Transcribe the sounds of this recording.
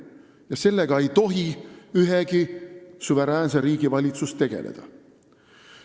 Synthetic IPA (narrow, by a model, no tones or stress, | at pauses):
jɑse̞lːe̞ɡ̥ɑejt̪o̞ɦiyɦeɡisuve̞ɾæːnseɾiːɡ̥ivɑlʲit̪sust̪e̞ɡ̥e̞̰lḛd̪̥ɑ̰